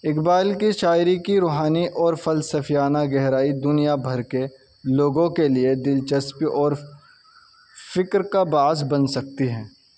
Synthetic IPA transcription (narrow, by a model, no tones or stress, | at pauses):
ɪkbaːlkiʃaːɪɾikiɾoːɦaːniʔɔːɾfɐlsəfijaːnaɡɛɦɾaːid̪ʊnijabʱɐɾke | loːɡõkelied̪ɪlt͡ʃəspiʔɔːɾ | fɪkɾkabaːzbɐnsɐk̚t̪iɦɛ̃ː